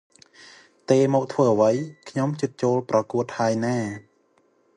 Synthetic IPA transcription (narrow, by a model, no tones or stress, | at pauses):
t̪eːmɔːk̚t̪ʰʋəːʔəʋəjkʰɲomt͡ɕɨt̪̚t͡ɕoːlprɑkuət̪̚haəjnaː